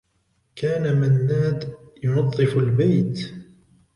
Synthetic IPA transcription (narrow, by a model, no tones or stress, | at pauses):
kʰaːnamanːaːd̪jʊnɑt̪ˤːɨfalbajt̪